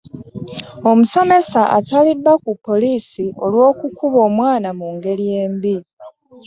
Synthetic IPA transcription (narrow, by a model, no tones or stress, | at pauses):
o̞muso̞me̞saʔa̰talidːakupːo̞liːsio̞lwo̞ːkukuβo̞ːmwaːnamuŋɡe̞lije̞ːmbi